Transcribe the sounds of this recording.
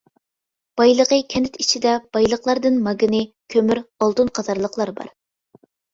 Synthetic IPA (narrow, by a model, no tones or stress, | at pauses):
b̥ɑjlˠəʁəkʲʰɛnɪt̪it͡ʃʰid̪ɛb̥ɑjlˠəqlˠɑɾd̪ɨnmɑɡɨnɨ | kʲʰømyɾɑlˠt̪unqʰɑzɑɾlˠəqlˠɑɾbɑ̰ɾ